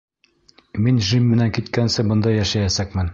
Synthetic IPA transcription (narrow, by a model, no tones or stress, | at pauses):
minʒimːɘ̆næŋkit̪kænsɘbɤ̆nd̪ɑjæʃæjæsækmɘn